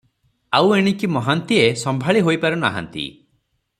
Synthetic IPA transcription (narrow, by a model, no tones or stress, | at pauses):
aweɽ̃ikimɔɦant̪iesɔmbʱaɭiɦojpaɾuna̰ɦa̰nt̪ḭ